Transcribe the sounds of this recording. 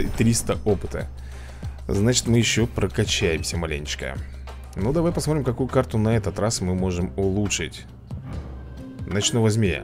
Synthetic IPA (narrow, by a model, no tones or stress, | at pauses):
t̪ɾʲist̪əʔo̞pɨt̪ə̰ | znat͡ɕɪ̥t̪mɨjɪɕːopɾəkɐt͡ɕːæjɪmsʲəmɐlʲḛnʲt͡ɕɪ̥kə̰ | nod̪ɐvajpɐsmot̪ɾʲɪmkɐkujʊkart̪ʊnɐɛt̪ət̪ɾasmɨmo̞ʐɨmʊlˠuʂɨtʲ | nɐt͡ɕnovɐzʲmʲejə̰